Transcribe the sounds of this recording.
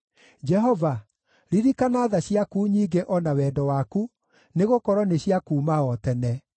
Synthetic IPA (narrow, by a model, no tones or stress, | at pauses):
d͡ʒɛɦɔva | ɾiɾikanaːðaɕiakuːɲiːɡeʔɔnawɛdɔwaku | neɣokɔɾɔneɕiakuːmaɔtɛnɛ